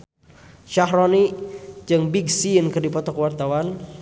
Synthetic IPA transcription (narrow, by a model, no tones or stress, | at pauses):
ʃaɦɾɔnid͡ʒɨŋbiɡsinkərdipɔt̪ɔkəwart̪awan